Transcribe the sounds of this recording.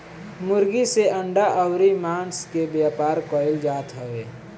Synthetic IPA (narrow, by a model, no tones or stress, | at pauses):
mʊɾɡiseʔə̃ɳɖaʔəʊɾimãːnskebjaːpaːɾkɔɪld͡ʒaːt̪ɦəweː